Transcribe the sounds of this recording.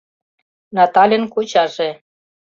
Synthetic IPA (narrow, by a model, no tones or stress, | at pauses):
nɑt̪ɑlʲenkot͡ɕɑʒe